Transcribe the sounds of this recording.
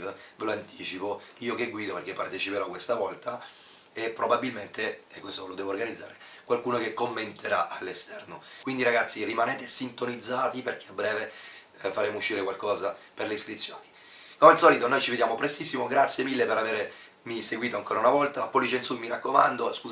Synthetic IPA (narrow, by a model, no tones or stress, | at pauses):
vveloant̪iːt͡ʃipoiːokeɡwiːd̪operɾk̟epːart̪et͡ʃipeɾɔkːwest̪avɔlt̪a | epːɾobabːilment̪eɛkːwest̪olod̪ɛːvorɡanid̪zːa̰ːɾe | kwalkuːnokekːomːent̪ʰeɾaʔalːest̪ɛrnokwind̪iɾaɡat̪sːirimanɛːt̪esint̪onid̪zːaːt̪iperk̟eabɾɛːve | faɾeːmouʃːiːɾekwalkɔːzaperleiskɾit̪sːjoːni | komealsɔːlit̪onojt͡ʃived̪jaːmopɾest̪isːimoɡɾat̪sːjemilːepeɾaveːɾe | miseɡwiːt̪oaŋkoːɾaunavɔlt̪apːolːit͡ʃensumiɾakːoma̰nd̪oskuː